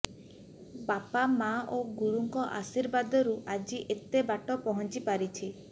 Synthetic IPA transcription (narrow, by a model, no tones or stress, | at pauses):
bapamaʔoɡuɽuŋkɔʔa̰siɾbad̪ɔɾuʔad͡ʒiʔet̪ebaʈɔpɔɦɔnt͡ʃipaɾit͡ʃʰi